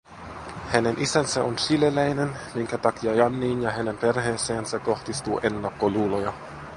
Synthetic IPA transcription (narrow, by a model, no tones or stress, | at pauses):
hæne̞nʔisænsæonsilelæjnenmiŋkæt̪ɑkiɑjɑnːiːnjɑɦæne̞mpe̞rɦe̞ːseːnsæko̞xt̪ist̪ṵːʔe̞nːɑkːoluːlojɑ